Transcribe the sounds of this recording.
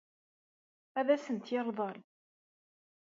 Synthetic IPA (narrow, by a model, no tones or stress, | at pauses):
æðæsənt̪jɪɾˤðˤɑl